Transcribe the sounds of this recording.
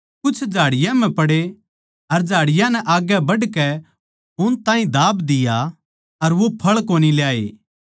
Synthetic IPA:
kʊt͡ʃʰd͡ʒʱaːɽɪjãm̤ɛ̃pɐɽe | ɐɾd͡ʒaːɽɪjãnɛʔaːɡɛbɐɖkɛ | ʊnt̪ãːĩd̪aːbd̪ɪja | ɐɾʋopʰɐɭkoːniljaːḛː

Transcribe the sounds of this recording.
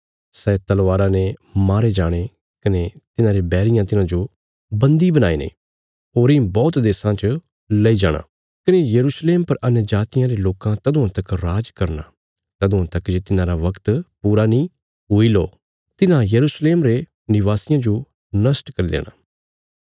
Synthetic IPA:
sɛt̪ɐlʋaːɾãːnemaːɾed͡ʒaːɽ̃e | kɐnet̪ɪnãːɾebɛːɾɪjãːt̪ɪnãːd͡ʒo | bɐ̃nd̪ibənaːiːnḛː | ɦoːɾɪ̃ːbɔːt̪d̪eːsãt͡ʃ | lɐiːd͡ʒaːɽ̃a̰ː | kɪnejəɾuːsleːmpɐɾʔɐnjəd͡ʒaːt̪ɪjãːɾeloːkãt̪ɐd̪ʊãt̪ɐkɾaːd͡ʒkɐɾna̰ː | t̪ɐd̪ʊ̃ãːt̪ɐkd͡ʒeːt̪ɪnãːɾaʋɐkt̪puːɾaːnĩː | ɦʊiloː | t̪ɪnãjɐɾuːsleːmɾe | nɪʋaːsɪjãːd͡ʒo | nɐsʈkɐɾid̪ḛːña̰ː

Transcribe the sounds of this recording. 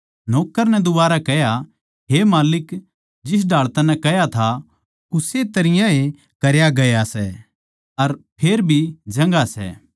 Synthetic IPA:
noːkːəɾnɛd̪ʊbaːɾakɛja | ɦemaːlɪk | d͡ʒɪs̬ɖʱaːɭt̪anːɛ̃kɛjat̪ʰa | ʊset̪ɐɾɪjãe | kɐɾjaɡɐjasɛ | ɐɾpʰeːɾbʱid͡ʒɐ̃ŋɡasɛ̰ː

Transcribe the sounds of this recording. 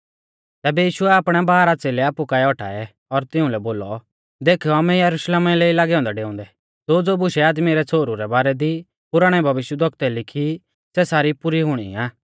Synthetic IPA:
t̪ɛːbɛjiːʃʊɛaːpɽ̃ɛbaːɾat͡seːlɛaːpukaːɛɔʈʰa̰ːɛ | ɔɾt̪ɪʊ̃lɛboːlɔ | d̪eːkʰɔamɛ̃jɐɾʊʃleːmɛleːilaːɡɛɔ̃ːnd̪aɖeːʊ̃nd̪ɛ | d͡zod͡zobʊʃɛaːd̪miɾɛt͡sʰoːɾuɾɛbaːɾɛd̪i | pʊɾaːɽ̃ɛbʱɐʋɪʃjəd̪ʋɐkt̪ɛlɪkʰi | sɛsaːɾipʊɾiɦʊɽ̃ḭaː

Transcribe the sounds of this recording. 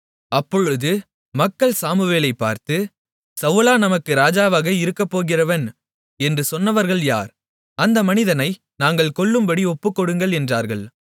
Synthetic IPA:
ɐpːɔɻɯðɯ | mɐkːɐɭsaːmɯʋeːlɐɪpːa̰ːɾt̪ɯ | sɐʋɯlaːnɐmɐkːɯɾaːd͡ʒaːʋaːɣɐɪɾɯkːɐpːoːɣɪrɐʋɐn | ɛndrɯsɔnːɐʋɐɾɣɐɭja̰ːɾ | ɐnd̪ɐmɐnɪðɐnɐɪ | naːŋɡɐɭkɔɭːɯmbɐɽiɔpːɯkːɔɽɯŋɡɐɭɛndraːɾɣɐɭ

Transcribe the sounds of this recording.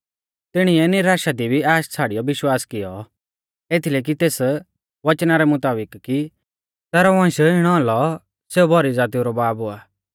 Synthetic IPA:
t̪ɪɽ̃iɛnɪɾaːʃad̪ibʱiaːʃt͡sʰaːɽijɔʋɪʃwaːskɪjɔ | eːt̪ʰileːk̬it̪eːs | ʋɐt͡ʃnaɾɛmʊt̪aːbɪkki | t̪ɛːɾɔʋɔ̃ːsoɪɽ̃ɔalɔ | seːubʱɔɾid͡zaːt̪̬ijuɾɔbaːbɦoaː

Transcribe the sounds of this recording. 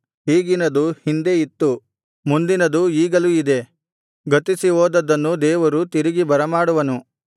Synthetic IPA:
ɦiːɡinɐd̪uhind̪e̞it̪ːu | mund̪inɐd̪uiːɡɐluid̪e̞ | ɡɐt̪isiɦoːd̪ɐd̪ɐnːud̪ɛːʋɐɾut̪iɾiɡibɐɾɐmaːɽuʋɐnu

